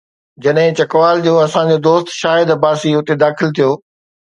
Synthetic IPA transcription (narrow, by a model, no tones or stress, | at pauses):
d͡ʑɐɗɦɪ̃t͡ɕɐkʋaːld͡ʑoːɐsãd͡ʑod̪oːst̪ʃaːɪd̪baːsiʊt̪ed̪aːxɪlt̪ʰijoː